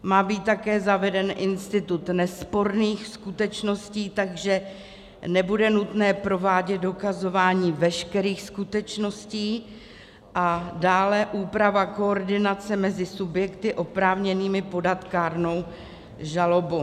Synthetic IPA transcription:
maːbiːt̪ːakɛːzavɛdɛnʔɪnst̪ɪt̪ut̪nɛspo̞ɾniːxskut̪ɛt͡ʃno̞sciːt̪aɡʒɛ | nɛbudɛnut̪nɛːpɾo̞vaːɟɛt̪̚do̞kazo̞vaːɲiːvɛʃkɛɾiːxskut̪ɛt͡ʃno̞sciː | ʔadaːlɛʔuːpɾavako̞ːɾdɪnat͡sɛmɛzɪsubjɛkt̪ɪʔo̞pɾaːvɲɛniːmɪpo̞dat̪kaːɾno̞w | ʒalo̞bo

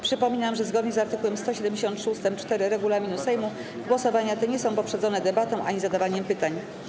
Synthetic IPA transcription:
pʂɘpɔmʲinamʐɛzɡɔd̪ɲɛzaɾt̪ɘkuwɛmst̪ɔɕɛd̪ɛmd͡ʑeɕɔnt̪ʂust̪ɛmt͡ʂt̪ɛɾɘɾɛɡulamʲinusɛjmu | ɡwɔsɔvaɲat̪ɛɲɛsɔ̃w̃pɔpʂɛd̪zɔnɛd̪ɛbat̪ɔ̃w̃ʔa̰ɲizad̪avaɲɛmpɘt̪aɲ

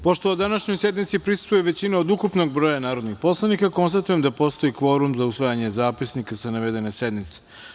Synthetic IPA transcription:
po̞ʃt̪oːd̪anaʃɲojse̞d̪nit̪sipɾisu̥t̪vujeʋe̞t͡ɕinaod̪ukupno̞ɡ̚bɾo̞janaːɾod̪nixpo̞slˠanikako̞nst̪at̪ujemd̪apo̞st̪o̞ikʋo̞ɾumzausʋajaɲe̞zaːpisnikasanaʋed̪e̞nesed̪nit̪se̥

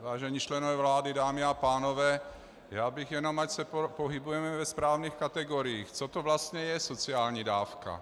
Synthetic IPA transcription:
vaːʒɛɲiːt͡ʃlɛnovɛːvlaːdɪdaːmɪapaːnovɛː | jaːbɪɣjɛnomacsɛpopoɦɪbujɛmɛvɛspɾaːvniːxkat̪ɛɡoɾijiːxt͡sot̪ovlast̪ɲɛjɛsot͡sɪaːlɲiːdaːfka̰

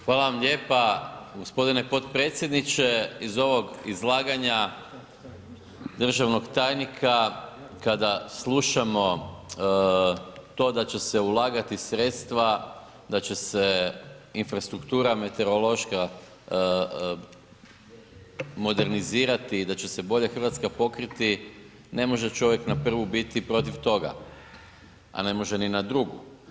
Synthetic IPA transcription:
xʋaːlaʋamʎe̞ːpaɡo̞spo̞d̪ine̞po̞t̪pɾe̞ːt̪sʲje̞d̪nit͡ʃe̞izo̞ʋo̞ɡizlˠaːɡaɲa | d̪r̩ʒaʋno̞ɡt̪aːjnikʰa | kad̪aslˠuʃamo̞ | t̪o̞d̪at͡ɕe̞se̞ulˠaːɡat̪isɾeːt̪st̪ʋa | d̪at͡ɕe̞seinfɾast̪ɾukt̪uːɾame̞t̪e̞ɾolo̞ʃka | mo̞d̪e̞ɾniziːɾat̪iːd̪at͡ɕe̞se̞bo̞ʎaxr̩ʋat̪skapo̞kɾit̪i | ne̞mo̞ʒe̞t͡ʃo̞ʋjeknapr̩ʋubit̪ipɾo̞t̪iʋt̪o̞ɡa̰ | a̰ne̞mo̞ʒeninad̪ɾuɡu

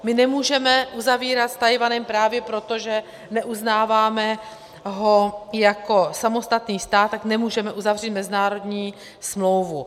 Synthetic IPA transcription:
mɪnɛmuːʒɛmɛʔuzaviːɾat̪st̪ajvanɛmpɾaːvjɛpɾo̞t̪o̞ʒɛ | nɛʔuznaːvaːmɛ | ɦojako̞samo̞st̪at̪niːst̪aːt̪ːaknɛmuːʒɛmɛʔuzavr̝iːt̪mɛzɪnaːɾo̞d̪ɲiː | smlo̞wvu

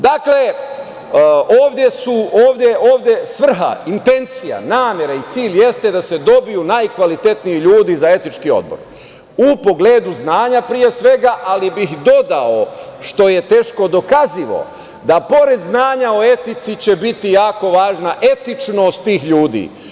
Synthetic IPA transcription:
d̪akle̞ | oːʋd̪je̞suoːʋd̪je̞ʔoːʋd̪jesʋr̩ɦa̰int̪e̞nt̪sija̰naːmje̞ɾait̪siːʎje̞st̪e̞d̪ase̞d̪o̞bijunajkʋalit̪e̞t̪nijiʎuːd̪izae̞t̪it͡ʃkio̞̰d̪̚bo̞̰ɾ | upo̞ɡle̞ːd̪uznaːɲapɾije̞sʋe̞ɡaʔalibixd̪o̞d̪ao̞ʃt̪o̞je̞t̪e̞ːʃko̞d̪o̞kaziʋo̞̰ | d̪apo̞ɾe̞d̪znaːɲao̞e̞t̪it̪sit͡ɕe̞bit̪ijaːko̞ʋaːʒnaʔe̞t̪it͡ʃnost̪t̪iːxʎuːd̪ḭː

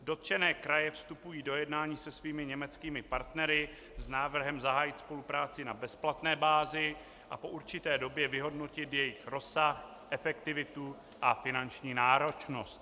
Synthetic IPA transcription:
do̞t̪t͡ʃɛnɛːkɾajɛfst̪upujiːdo̞jɛdnaːɲiːsɛsviːmɪɲɛmɛt͡skiːmɪpaɾt̪nɛɾɪ | znaːvr̩ɦɛmzaɦaːjɪt̪spo̞lupɾaːt͡sɪnabɛsplat̪nɛːbaːzɪ | ʔapo̞ʔuɾt͡ʃɪt̪ɛːdo̞bjɛvɪɦo̞dno̞cɪt̪jɛjɪxɾo̞sax | ʔɛfɛkt̪ɪvɪt̪u | ʔafɪnant͡ʃɲiːnaːɾo̞t͡ʃno̞st̪

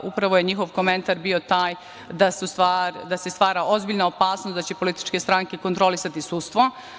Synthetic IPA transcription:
ʔupɾaʋo̞je̞ɲixo̞ʋko̞me̞nt̪aɾbio̞t̪aːj | d̪asust̪ʋaːɾd̪ase̞st̪ʋaːɾaʔozbiʎnaopaːsnosd̪at͡ɕe̞po̞lit̪i̥t͡ʃkest̪ɾaŋkeko̞nt̪ɾo̞lisat̪isust̪ʋo

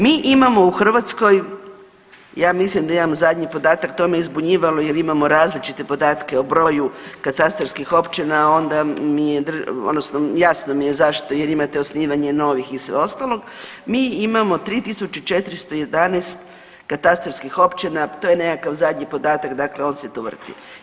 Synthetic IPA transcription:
miːʔimamo̞uxr̩ʋat̪sko̞j | jaːmislimd̪aimamozad̪ʲɲipo̞d̪aːt̪akt̪o̞mejizbuɲiːʋaloje̞ɾimamo̞ɾaːzlit͡ʃit̪e̞po̞d̪aːt̪ke̞obɾo̞jukat̪ast̪ɾofskixo̞pt͡ʃinao̞nd̪amijed̪o̰d̪nosnojasno̞mije̞zaʃt̪o̞je̞ɾimat̪eosniːʋaɲe̞no̞ʋixisʋḛo̞st̪alˠo̞ɡmiːimamo̞t̪ɾit̪isut͡ʃut͡ʃe̞t̪ɾist̪oje̞d̪anest̪ | kat̪ast̪ɾofskixo̞pt͡ʃinat̪oje̞ne̞kakaʋzad̪ʲɲipo̞d̪aːt̪akd̪akle̞o̞ːnset̪oʋr̩t̪ḭ

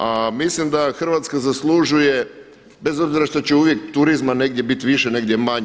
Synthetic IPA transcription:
amislimd̪axr̩ʋat̪skazaslˠuʒuje̞ | be̞zo̞bziɾaʃt̪ot͡ɕeuʋje̞k̚t̪uɾizmane̞ɡd̪je̞bit̪ʋiʃeneɡd̪ʲjemaɲe

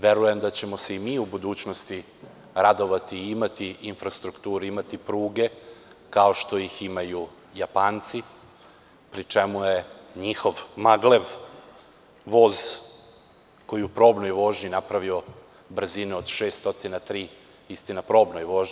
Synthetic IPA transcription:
ʋe̞ɾuje̞md̪at͡ɕe̞mose̞imiːubud̪uːt͡ɕno̞st̪i | ɾad̪o̞ʋat̪iimat̪iinfɾast̪ɾukt̪uːɾuimat̪ipɾuːɡe̞kaoʃt̪o̞jiximaju | japaːnt̪si | pɾit͡ʂemujeɲixo̞ʋmaɡle̞ʋ | ʋo̞ːz | ko̞jiupɾo̞ːbnojʋo̞ːʒɲinapɾaʋio̞ | br̩zineod̪ʃeːst̪o̞t̪inat̪ɾiː | ist̪inapɾo̞ːbnojʋo̞ːʒɲi

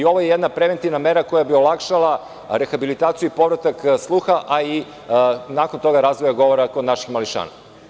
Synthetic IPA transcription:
io̞ʋojejed̪napɾe̞ʋe̞nt̪iʋname̞ɾako̞jabiolˠakʃalˠa | ɾexabilit̪aːt̪sijuipo̞ʋɾat̪akslˠuːxaʔai | nako̞nt̪o̞ɡaɾaːzʋojaɡo̞ʋoɾakod̪naʃixmaliʃa̰ːna̰

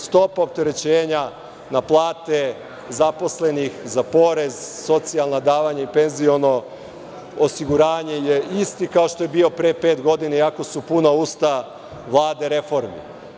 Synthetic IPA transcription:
st̪o̞paop̚t̪e̞ɾe̞t͡ɕeːɲa | naplˠaːt̪e̞ | zapo̞sle̞nixzapo̞ɾe̞zso̞t̪sialˠnad̪aːʋaɲeipe̞nzio̞no̞ | osiɡuɾaːɲe̞jeist̪ikao̞ʃt̪o̞jebiːo̞pɾeːpeːt̪ɡo̞d̪inaiako̞supunauːst̪a | ʋlˠaːd̪e̞ɾe̞fo̞ɾmḭ

